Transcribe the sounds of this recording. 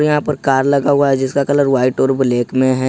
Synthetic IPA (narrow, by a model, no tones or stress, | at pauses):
ɾjɐɦãpɐɾkaːɾlɐɡaɦʊaɦɛd͡ʒɪskakɐləɾʋaːɪʈɔːɾbɪleːkʰmẽɦɛ